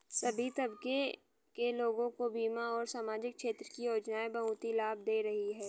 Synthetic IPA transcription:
sɐbʱit̪ɐbke | keloːɡõkobiːmaɔːɾsaːmaːd͡ʒɪkʃeːt̪ɾəkijoːd͡ʒnaːebɐɦũːt̪ilaːb̚d̪eːɾɐɦiɦɛː

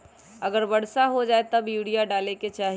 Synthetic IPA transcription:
ɐɡəɾbɐɽsaɦod͡ʒaːet̪ɐbjuːɽijaɖaːleket͡ʃaːɦ

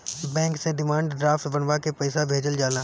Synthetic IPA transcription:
bɛ̃ːŋkseɖɪmãːɳɖɖɾaːfʈbɐnʋakepɐɪsabʱeːd͡ʒəld͡ʒaːlaː

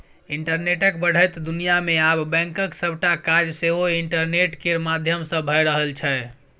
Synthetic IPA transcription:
iɳʈəɾneʈəkbəɽ̤əjt̪d̪unijameabbɛ̃ŋkəksəbʱʈakaɾd͡ʒseɦoiɳʈəɾneʈkeɾmad̪ʱjəmsə̃bʱəjɾəɦəlt͡ʃʰɛ

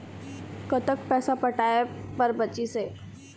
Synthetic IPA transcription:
kət̪ək̚pɛːsapəʈaːepɐɾbət͡ʃiseː

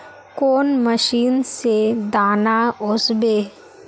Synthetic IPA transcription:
koːnməʃiːnsed̪aːnaʊsbeː

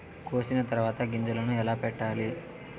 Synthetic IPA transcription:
koːsinɐt̪ɐɾʋaːt̪ɐɡiɲd͡ʒɐlɐnuɛlaːpɛʈːaːli

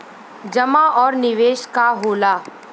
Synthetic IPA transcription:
d͡ʒɐmaʔɔːɾnɪʋeːʃkaɦoːlaː

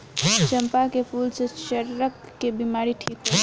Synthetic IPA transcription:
t͡ʃəmpakepʰulset͡ʃəɾɾəkːebimaɾiʈʰikɦə

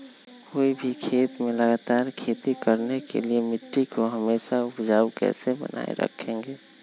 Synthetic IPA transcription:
koːibʱikʰeːt̪mẽləɡaːt̪aːɾkʰeːt̪ikəɾnekḛliemɪʈɾikoɦəmeːʃaʊpd͡ʒaːukɛ̰ːsebə̰nʔa̰ːḛɾə̰kʰẽːŋɡeː

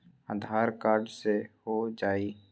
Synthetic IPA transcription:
a̰d̪ʱaːɾkaːɾɖsehod͡ʒaːiː

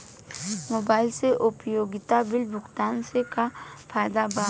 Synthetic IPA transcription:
moːbaːɪlseʔʊpjoːɡɪt̪abɪlbʱʊkt̪aːnsekapʰaːjd̪aba

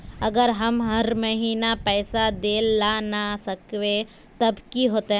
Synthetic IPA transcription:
ɐɡəɾɦɐmɦɐɾməɦiːnapɛːsad̪eːlanasɐkʋe | t̪ɐbkiɦoːt̪eɦ

